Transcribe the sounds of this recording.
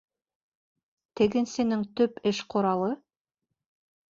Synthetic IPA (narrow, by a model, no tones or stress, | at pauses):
t̪ɘ̆ɡɘ̆nsɘ̆nɘŋt̪ɵpɘʃqʰŏɾɑlˠɤ